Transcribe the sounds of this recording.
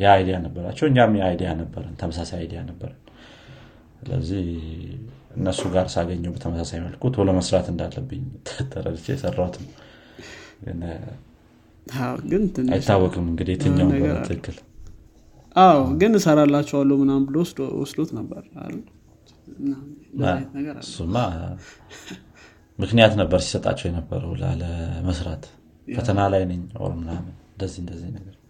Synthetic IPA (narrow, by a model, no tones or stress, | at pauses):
jɛajd̪ijanəbːəɾa̰t͡ʃːɛwɨɲɲamjɛajd̪ijanəbːəɾənt̪ʰəməsasajajd̪ijanəbːəɾən | sɨlə̰zːih | ɨnːəsːuɡaɾsɨaɡəɲːəwbət̪ʰəməsasajməlkʰut̪ʰoləməsɾat̪ɨnd̪alːəbːɨɲːt̪ʰːət̪ʰːəɾə̰lɨt͡ʃːejɛsərːawt̪nəw | jɛ̰nːə | awɡɨnt̪ʰɨna̰jɪːawːɔkʼɨmɨŋɡɨd̪it̪ʰɨɲːawb̪ɨkːɨl | ʔawɡɨnɨsəɾalːat͡ʃːɛwalːəmɨnambɨlowswɔ̰sd̪ot̪nəbːəɾa̰lːu | anəɡəɾsumːa | mɨknijat̪nəbːəɾsi̥sət̪ʼa̰t͡ʃːɛwjɛnəbːə̰ɾə̰wla̰ləməsɾat̪ | fət̪ʰənalajnɨɲwa̰lmɨnamɨnɨnd̪əzːihɨnd̪əzːihnəɡəɾ